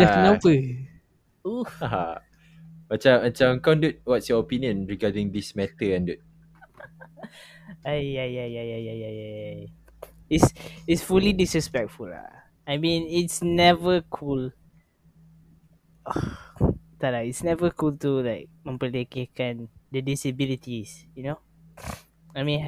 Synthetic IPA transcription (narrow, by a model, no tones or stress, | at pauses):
dɛfnapə | uaa | mat͡ʃaãt͡ʃãkãndut̚wɔtsjɔopĩniə̃nɹiɡadĩŋd̪ismɛtəãndut̚ | ajjajajajajajajaa | itsitsfulidisɹɛspɛk̚tfula̰ | ajmĩnitsnɛvəkʰul | ɔ | t̪alaitsnɛvəkʰultulaɪk̚mə̃mpəlekekãndədisəbilitisjuno | ajmĩ